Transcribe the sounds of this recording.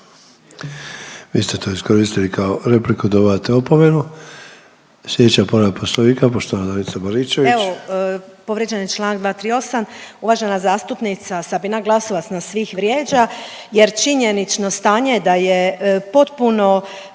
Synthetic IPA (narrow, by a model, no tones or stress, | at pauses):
ʋiːst̪et̪ʰoiskoɾiːst̪ilikʰaoɾe̞plikud̪oβat̪eopomenu | slʲjʲed̪et͡ɕapoɾaposloniːkapoʃt̪oʋanad̪amisabaɾiːt͡ʃeʋieʋo | po̞ʋɾjed͡ʑenit͡ʃlˠaːnaɡd̪ʋaːt̪ɾiːo̞samuʋaʒenazaːst̪upnit̪sasabinaɡlˠaso̞ʋat̪snasʋiːxʋɾjeːd͡ʒaje̞ɾt͡ʃiɲenit͡ʃno̞st̪aːɲed̪ajepo̞t̪puno̞